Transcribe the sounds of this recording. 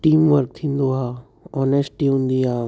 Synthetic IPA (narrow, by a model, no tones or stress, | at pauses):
ʈiːmʋəɾk̚t̪ʰĩnd̪oɦa | ɔnesʈiũnd̪ijaː